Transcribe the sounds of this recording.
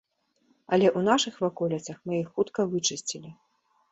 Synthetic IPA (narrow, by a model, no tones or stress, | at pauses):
ɐlʲɛʔunaʂɨxvakɔlʲit̪sɐxmɨjixːut̪kɐvɨt͡ʂɨsʲt͡sʲilʲi